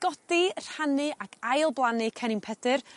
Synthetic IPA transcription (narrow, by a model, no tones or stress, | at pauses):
ɡ̥ɔd̥ir̥anɨʔaɡajlˠblˠanɨkʰɛnɪnpʰɛdɨr